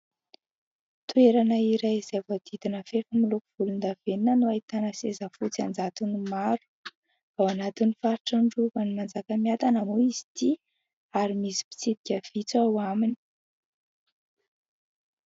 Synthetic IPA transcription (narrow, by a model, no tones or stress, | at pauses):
t̪ueɾanəiɾajzevad̪̥id̪inəfefəmilukuv̥ulund̪av̥eninənuait̪anəsezəfut͡siand͡zat̪inimaɾu̥ | v̥awanat̪inifaɾiʈ͡ʂaɳɖ͡ʐuvanimand͡zakəmiat̪anamuizi̥t̪i | aɾimisi̥pi̥t͡sid̪̚i̥kʲəv̥it͡sawamini̥